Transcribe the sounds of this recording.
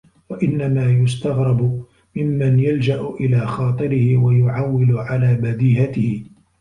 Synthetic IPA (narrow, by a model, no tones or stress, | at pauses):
waʔɪnːamaːjʊst̪aɣɾˤɑbʊ | mɪmːanjald͡ʒaʔʊʔɪlaːxɑːt̪ˤɨɾɪhɪwajʊʕawːɪlʊʕalaːbad̪iːɦat̪ɪhɪ